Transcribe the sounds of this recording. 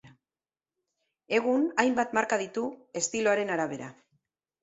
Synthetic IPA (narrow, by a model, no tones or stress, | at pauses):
e̞ɣ̞unajmbat̪maɾkað̞it̪ue̞st̪ilo̞aɾe̞naɾaβ̞e̞ɾa̰